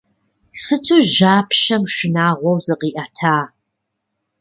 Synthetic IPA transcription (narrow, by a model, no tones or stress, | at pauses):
sɨtʰuʒaːpʰʃɐmʂɨnaːʁʷɔwzɨqiːʔɐtʰaː